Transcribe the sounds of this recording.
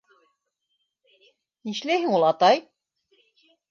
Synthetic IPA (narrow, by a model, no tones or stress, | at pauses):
niʃlæɦiŋulˠɑt̪ɑj